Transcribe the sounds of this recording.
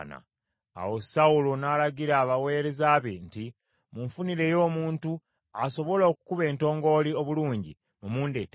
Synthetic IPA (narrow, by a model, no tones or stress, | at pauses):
na̰ | a̰wo̞saulonaːlaɡiɾaːβawe̞ːɾe̞zaːβenti | muɱfuniɾe̞jo̞ːmuːntu | aso̞βo̞lo̞ːku̥kuβe̞ːnto̞ːŋɡo̞ːlio̞βuluːɲɟḭ | mumuːnde̞̰ːte